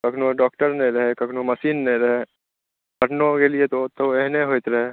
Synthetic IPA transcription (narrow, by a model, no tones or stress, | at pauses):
kɐkʰnõɖɔːk̚ʈəɾnɐ̃ɾɐɦekɐkʰnomɐsiːnːɐ̃ɾɐɦe | kɐʈnõkeliet̪ot̪oɛɦneɦoːɪt̪ɾɐɦe